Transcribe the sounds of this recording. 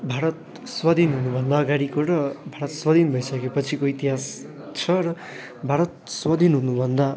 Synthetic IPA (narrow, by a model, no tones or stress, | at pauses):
bʱaɾʌt̪ | swʌd̪ʱinɦunubʱʌnd̪aʌɡaɾikoɾʌbʱaɾʌt̪swʌd̪ʱinbʱʌjsʌkepʌt͡sʰikoit̪iɦas | t͡sʰʌrʌ | bʱaɾʌt̪̚swʌd̪ʱinɦunubʱʌnd̪a